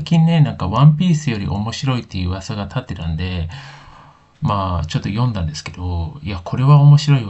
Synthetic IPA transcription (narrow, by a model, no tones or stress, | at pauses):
akʲĩnnːe̞nãŋkaβãmpʲiːsɨjo̞ɾʲḭʔo̞̰mo̞ɕiɾo̞it̪ːejɯ̟ːβasaɡat̪ʰat̪ːe̞t̪and̪e̞ | maːt͡ɕo̞t̪ːo̞jõ̞nd̪ãnd̪e̞sɨ̥ke̞d̪̥o̞iakʰo̞ɾe̞βaomo̞ɕiɾo̞i